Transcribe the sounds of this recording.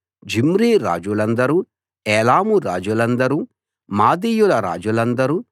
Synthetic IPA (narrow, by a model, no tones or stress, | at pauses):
d͡ʒimɾiːɾa̰ːd͡ʒulɐnd̪ɐɾu | ɛːlaːmuɾa̰ːd͡ʒulɐnd̪ɐɾu | maːd̪iːjulɐɾa̰ːd͡ʒulɐnd̪ɐɾu